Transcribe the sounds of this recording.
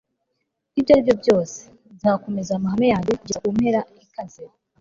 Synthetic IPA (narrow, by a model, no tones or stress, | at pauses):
ibjaɾibjo̞bjo̞ːse̥ | zaːko̞me̞zamaɦamejaːɲdekuɟiɾaumhe̞ɾaikazeɾa